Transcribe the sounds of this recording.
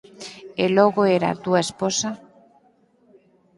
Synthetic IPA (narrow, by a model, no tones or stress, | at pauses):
eloɣoeɾa̰t̪uaesposa